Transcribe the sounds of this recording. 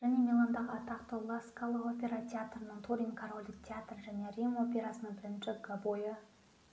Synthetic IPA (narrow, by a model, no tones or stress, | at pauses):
ʒ̥æne̞mʲilˠand̪ɑʁəɑt̪ɑqt̪owlˠɑskalˠəqopʲe̞ɾat̪ʰʲeat̪rənəɴt̪ʰuɾʲiŋkʰaɾo̞lʲd̪ɪk̚t̪ʲʰeat̪rʒæne̞rʲimo̞pʲe̞ɾasənəɴbɪɾɪnʃɪɡabojə